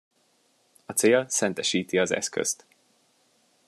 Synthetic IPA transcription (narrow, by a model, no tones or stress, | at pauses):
ɒt̪seːsɛnt̪ɛʃiːt̪iɒzɛ̰skø̰st̪